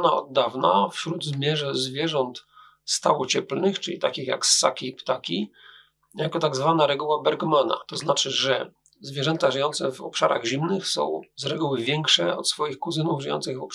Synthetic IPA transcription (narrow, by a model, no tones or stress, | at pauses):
naɔ̰d̪ːavnafɕɾud̪zmʲjɛʐɛzvʲjɛʐɔnt̪ | st̪awɔt͡ɕɛplnɘxt͡ʂɘlʲit̪akʲixja̰ksːa̰kʲipt̪akʲi | jakɔt̪aɡzvanaɾɛɡuwabɛɾɡmana̰t̪ɔznat͡ʂɘʐɛ | zvʲjɛʐɛnt̪aʐɘjɔnt̪sɛvɔ̰pʂaɾa̰ɣʑimnɘxsɔ̰̃w̃zɾɛɡuwɘvʲjɛŋkʂɛɔ̰t̪sfɔjixkuzɘnuvʐɘjɔ̰nt̪sɘɣvɔp